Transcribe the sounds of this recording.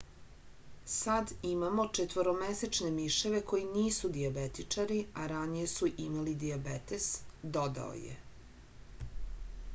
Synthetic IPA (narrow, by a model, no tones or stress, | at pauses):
sad̪imamo̞t͡ʂet̪ʋoɾomeset͡ʃne̞miʃeʋe̞ko̞jiniːsud̪iabet̪it͡ʂaɾiaɾanije̞suʔimalid̪iabet̪esd̪o̞d̪a̰o̰jḛ